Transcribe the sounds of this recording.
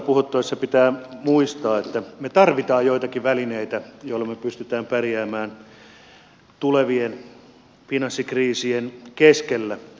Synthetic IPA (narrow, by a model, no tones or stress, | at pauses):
puhut̪ːoesːɑpit̪æːmuist̪ɑːet̪ːæmet̪ɑrʋit̪ɑːjjoit̪ɑkiʋælineit̪æjoilːˑɑmepyst̪yt̪æːmpæriæːmæːn | t̪uleʋien | finɑsːikriːsienkeskelːæ